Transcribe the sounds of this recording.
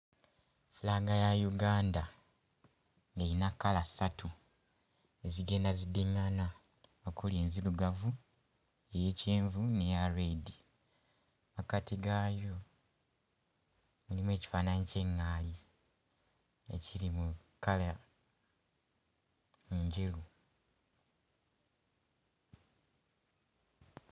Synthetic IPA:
fulaːɡajajuɡaːnda | ŋɡeinakːalasatʰu | e̞ziɡe̞ːndazidiŋːana | okuliːnziluɡavu | eje̞ːceːɱvunejaɾedi | makatiɡaːjo̞ | mulimwe̞ːci̥faːnaːɲceŋːaːli | ḛciɾimukala | meɲɟelu

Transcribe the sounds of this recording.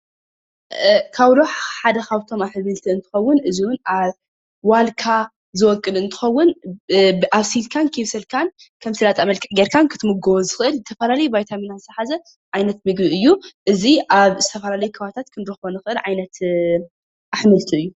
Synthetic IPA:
kʰaβɾoħħad̪ɐxaβt̪ʰo̞maħmɨlt̪ʰiɨnt̪ʰɨ̥xɐwːʊnʔɨziwʊnʔaβ | walkʰa | zɨwɔkʼːɨlɨnt̪ʰɨ̥xɐwːʊn | ʔaβsilkʰankʰiβsɐlkʰan | kʰɐmsɨlat̪ʼamɐlkʼɨʕɡeɾkʰankʰɨt̪ʰɨmɨɡɐwuzɨxɨʔɨlzɨt̪ʰɐfɐlalɐjubajt̪ʰaminazɨt̪ʰɐħazɐ | ʕajnɐt̪mɨɡbiɨjːuʔɨziʔaβzɨt̪ʰɐfɐlalɐjukʰɨβaβt̪ʰat̪kʰɨnd̪ɾoxβonɨxʔɨlʕajnɐt̪ | ʔaħmɨlt̪ʰiɨjːu

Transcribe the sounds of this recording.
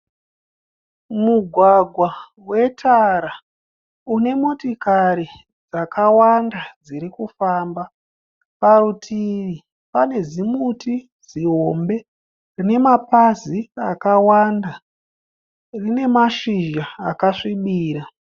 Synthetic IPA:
muɡʱwaɡʱwa | we̞tʰaɾa | une̞motikaɾi | d͡zakawandad͡ziɾikufaːmba | parutʰiʋi | pane̞zimutʰi | ziɦo̞mbe̞ | rine̞mapaziakawanda | rine̞maʃiʒaːkaʂiɓiːɾa

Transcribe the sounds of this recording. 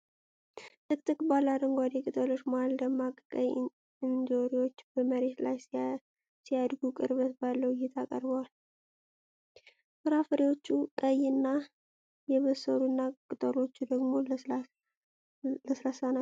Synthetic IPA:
t̪ʰʼɨk̚ʼt̪ɨkʼbalːad̪əŋɡʷad̪ekʼɨt̪ʼoloʒmoald̪əɡmakʼkʼəj | ɨnd͡ʒoɾiwo̞t͡ʃːbəməɾe̞t̪laj | sijad̪ɡukʼɨ̰ɾβət̪balːəwɪjːɛt̪ʰakʼəɾbəwal | fɨɾafəɾiwo̞t͡ʃːukʼəjɨnːa | jɛβəsːəɾunːakʼɨt̪ʼəɾo̞t͡ʃːud̪əɡmo̞ | ləsɾasana

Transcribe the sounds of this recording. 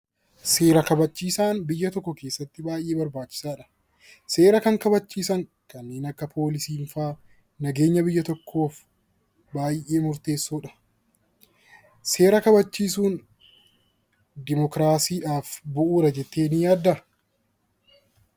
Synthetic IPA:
se̞ːɾɐkɐbɐt͡ʃːiːsaːnbɪjːɐt̪ɔkːɔkeːsːɐt̪ːɪbaːjʔe̞ːbɐɾbaːt͡ʃːɪ̥saːᶑɐ̥ | se̞ːɾɐkɐŋkɐbɐt͡ʃːiːsɐŋkɐnːeːnɐkːɐpʰo̞ːlɪsiːnfaː | nɐɡe̞ːɲːɐbɪjːɐt̪ɔkʰːo̞ːf | baːjʔe̞ːmʊɾt̪e̞ːsːoːᶑɐ̥ | se̞ːɾɐkɐbɐt͡ʃːiːsuːn | d̪ɪmɔkɾaːsiːᶑaːfbʊʔuːɾɐd͡ʒɛt̪ːe̞ːnijaːd̪ːɐ

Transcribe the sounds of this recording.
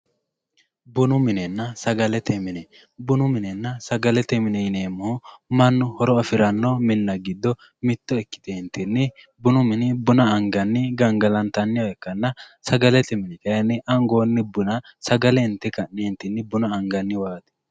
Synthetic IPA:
bʊnʊmɪnɛnːɐsɐɡɐlɛt̪ɛmɪnɛ | bʊnʊmɪnɛnːɐsɐɡɐlɛt̪ɛmɪnɛneːmːʊhʊmɐnːʊhɔɾɔɐfɪɾɐnːɔmɪnːɐɡɪd̪ːɔ | mɪt̪ːɔɛkːɪ̥t̪ɛnt̪ɪnːɪ | bʊnʊmɪnɪbʊnɐɐŋɡɐnːɪɡɐŋɡɐlɐnt̪ɐnːɪɔɛkːɐnːɐsɐɡɐlɛt̪ɛmɪnɛkɐjɐnːɪʔɐŋɡoːnːɪbʊnɐsɐɡɐlɛɪnt̪ːɛkɐnːɛɪnt̪ːɪnːɪbʊnɐɐŋɡɐnːɪwaːt̪ɛ̥

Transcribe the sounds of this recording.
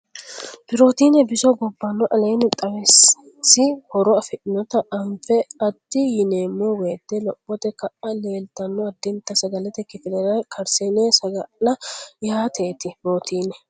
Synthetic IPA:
bɪɾo̞ːt̪iːnɛbɪsɔɡɔbːɐnːɔʔɐleːnɛt̪ʼɐwɛs | sɪhɔɾɔɐfɪʔɪnɔt̪ɐʔɐɱfɛɐd̪ːɪjɪneːmːɔweːt̪ːɛlɔbɔt̪ɛkɐʔɐle̞ːlt̪ɐnːɔɐd̪ːɪnt̪ːɐsɐɡɐlɛt̪ɛkɪfɪlɛɾɐkʰɐɾseːnesɐɡɐlɐjaːt̪eːt̪ɪbɪɾoːt̪iːnɛ

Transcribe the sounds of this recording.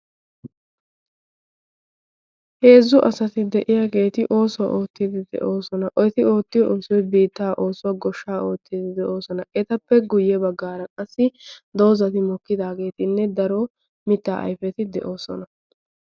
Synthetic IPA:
he̞ːzːʊʔɐsɐt̪ɪd̪ɛʔɪjaːɡe̞ːt̪ɪʔo̞ːsɔwɐ̰ʔo̞ːt̪ːɪd̪ɪd̪ɛ̰ʔo̞ːsɔnɐʔɔjt̪ɪo̞ːt̪ːɪjɔʔɔːsɔjbiːt̪ːaːʔo̞ːsʊwɐɡɔʃːaːo̞ːt̪ːɪd̪ɪd̪ɛʔo̞ːsɔnɐʔɛt̪ɐpːɛɡʊjːɛbɐɡːaːɾɐkʼɐsːɪd̪o̞ːzɐt̪ɪmɔkːɪd̪aːɡe̞ːt̪ɪnːɛd̪ɐɾo | mɪt̪ːaːʔɐ̰jfɛt̪ɪd̪ɛʔo̞ːsɔ̰nɐ

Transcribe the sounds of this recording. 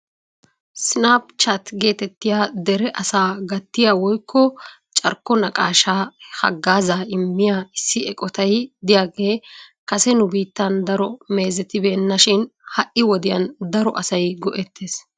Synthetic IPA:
sɪnaːpt͡ʃɐt̪ɡe̞ːt̪ɛt̪ːɪjaːd̪ɛɾɛʔɐsaːɡɐt̪ːɪjaːwɔjkːɔ | t͡ʃʼɐɾkːɔnɐkʼaːʃaːhɐ̰ɡːaːzaːɪmːɪjaːɪsːɪɛkʼɔt̪ɐjd̪ɪjaːɡe̞ːkɐsɛnʊbiːt̪ːɐnd̪ɐɾɔme̞ːzɛt̪ɪbe̞ːnːɐʃɪnhɐʔːɪwɔd̪ɪjɐnd̪ɐɾɔʔɐsɐjɡɔʔɛt̪ʰːeːs

